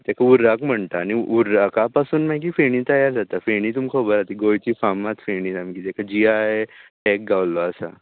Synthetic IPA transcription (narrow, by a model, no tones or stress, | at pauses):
t̪ɛkauɾakm̤əɳt̪aːñiuɾakapasuːnmak̬iːfeɽ̃ĩːt̪əjaɾd͡zat̪afeɽ̃it̪umkʰɔbəɾat̪iɡojt͡ɕifamat̪feɳiːtamkiːt̪ɛkʰad͡ʑiajʈɛk̚ɡawlɔasa̰